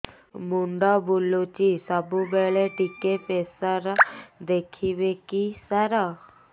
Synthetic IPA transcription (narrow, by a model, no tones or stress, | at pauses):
muɳɖɔbulːot͡ɕisəbubɛɭeʈikepesəɾd̪ekʰibekisaɾa